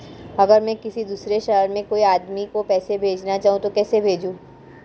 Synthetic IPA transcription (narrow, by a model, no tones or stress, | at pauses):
ɐɡəɾmɛ̃kɪsid̪uːsɾeʃɐɦəɾmẽkoːiaːd̪mikopɛːsebʱeːd͡ʒnat͡ʃaːɦũt̪okɛːsebʱeːd͡ʒũː